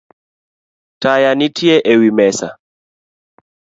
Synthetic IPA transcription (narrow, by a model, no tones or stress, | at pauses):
tajanitʰjeʔewimɛsa̰